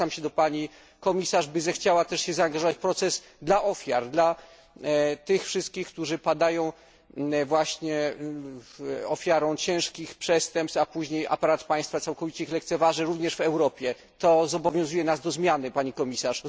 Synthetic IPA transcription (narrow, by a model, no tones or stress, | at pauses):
amɕɛd̪ɔpaɲi | kɔmʲisaʐbɘzɛxt͡ɕawat̪ɛʂɕɛzaːŋɡaʐɔvat͡ɕpɾɔt̪sɛs | d̪laʔɔfʲja̰ɾd̪la | t̪ɘxfʂɘst̪̚kʲixk̚t̪uʐɘpad̪ajɔ̃w̃ | vwaɕɲɛ | ɔfʲjaɾɔ̃w̃t͡ɕɛ̃w̃ʂkʲixpʂɛst̪ɛmpsapuʑɲejʔa̰paɾat̪paj̃st̪fat̪sawkɔvʲit͡ɕɛixlɛkt̪sɛvaʐɛɾuvɲɛʂvɛwɾɔpʲjɛ | t̪ɔzɔbɔvʲjɔ̃zujɛnazd̪ɔzmʲjanɘpaɲikɔmʲisaʂ